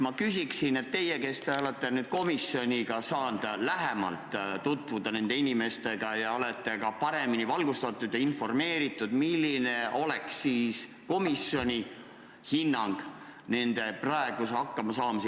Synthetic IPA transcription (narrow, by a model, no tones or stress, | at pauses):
mɑkysʲiksine̞t̪ːe̞je̞ke̞st̪eo̞let̪ˑːe̞nyːd̪̚ko̞misjo̞nʲiɡ̥ɑsɑːnd̪̥læɦemɑ̰lt̪ˑt̪ut̪ːˑvud̪ɑne̞nd̪̥e̞inime̞st̪e̞ɡ̥ɑjɑo̞le̞t̪ːˑe̞ɡɑpɑɾe̞minivɑlɡ̥ust̪ɑt̪ˑːud̪̥jɑinfo̞rme̞ːɾit̪ːˑud̪̥milːine̞o̞leksːiːs | ko̞misjo̞nʲi | hinːɑŋɡ̥ | ne̞nd̪̥e̞prɑeɡ̥usɑkːɑmɑsɑːmɑs